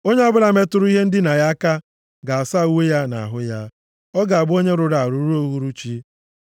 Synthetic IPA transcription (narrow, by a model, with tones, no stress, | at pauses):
o˦ɲe˦ɔ˦bʊ˦ɾa˨me˦tʊ˦ɾʊ˦i˦ɦe˦n̩˦dɪ˦na˨ja˦ka˦ | ɡa˨a˨sa˦˨u˦we˦ja˦na̰˨ɦʊ˦ja˦ | ɔ˦ɡa˨a˨bo˦ɲe˦ɾʊ˨ɾa˨ɾu˨˦ɾo˦ɦu˦ɾu˦t͡ʃi˦